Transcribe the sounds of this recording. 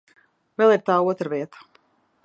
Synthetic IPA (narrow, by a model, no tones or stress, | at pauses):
vɛlˠiɾt̪aːuɔt̪ɾaviɛt̪ə̥